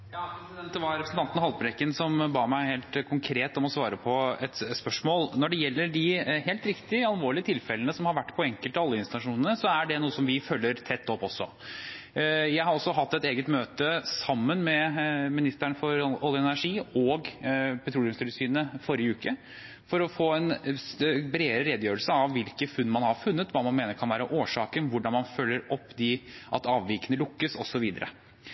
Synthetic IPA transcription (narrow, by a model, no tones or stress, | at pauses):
jɑː | ɛʋɑɾɛpɾsn̩ʰɑnt̪nɑhɑlpɾɛkːənsɔmbɑːmæɪheːlt̪kʰʊŋkʰɾeːt̪ɔmɔsʋɑːɾəpʰɔɛt̪spœʂmoːlnɔɖɛjɛlːəɖɪɦeːlt̪ɾɪkt̪ɪəɑlʋoːɭɪət̪ʰɪlfɛlənəsɔmhɑɾʋæʈːpʰɔɛŋkəlt̪ɑlːəɪnst̪ɑnɑʂuːnənəsɔæɖɛnuːəsɔmʋɪfølːəɾt̪ʰɛt̪ʰːɔpːɔsːɔ̰ | jæɪhɑɾɔsɔɦɑt̪ːɛt̪eːɡət̪møːt̪əsɑmːənmɛmɪnɪst̪æɳəfɔɾɔljəɛnæʂiːɔɡpʰɛt̪ʰɾuːlɪmst̪ʉləsyːnnəfɔɾjəʉːkə | fɔɾɔfoːɛn | bɾeːɾɛːd̪əjøːɾəlsəɑʋːɪlkəfʉnːmɑnhɑɾfʉnːət̪ʋɑːmɑnmeːnəɾkʰɑnʋæːɾəʔoːʂɑːkənʋʊɖɑnmɑnfœlːəɾɔpːd̪ɪʔɑ̰t̪ɑːʋʋiːkənəlʊkːəsɔsɔʋiːd̪əɾə̰